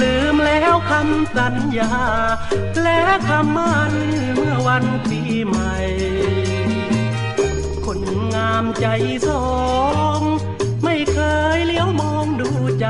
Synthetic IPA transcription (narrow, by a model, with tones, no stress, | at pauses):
lɯː˨˦mlɛː˧˥wkʰa˧˥msa˨˦njaː˧ | lɛː˧˥kʰa˧˥mːaː˧˩nɯ˧˩mɯ˧˥˩ɐwa˧˥np̪iː˨˧˩ | ma˧˩j | kʰo˧˥nŋaː˧mt͡ɕa˨˩jsɔː˨˩ŋ | ma˥˩jkʰɤː˧jli˧˥˦əwmoː˧ŋduː˧˩˧t͡ɕa˧˩